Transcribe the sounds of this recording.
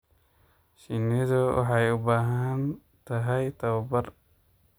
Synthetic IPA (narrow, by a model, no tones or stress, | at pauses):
ʃinːido̰ɦajubaɦan | taɦajt̪awbaɾ